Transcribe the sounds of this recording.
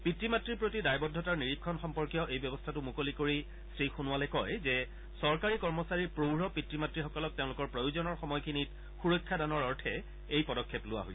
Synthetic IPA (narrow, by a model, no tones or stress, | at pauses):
pitɹimatɹiɹpɹotidajbɔdʱːɔtaɹniɹikʰːɔnxɔmpɔɹkijɔʔejbjɔbɔstʰatʊmukolikoɹi | stɹixunʊwalɛkɔjzɛ | sɔɹkaɹikɔɹmɔsaɹiɹpɹoɹɔpitɹimatɹixɔkɔlɔk̚teʊ̃lʊkɔɹpɹojuzɔnɔɹxɔmɔjkʰinit | xuɹojkʰːadanɔɹɔɹtʰɛ | ejpɔdɔkʰːɛplʊwa̰ɦoj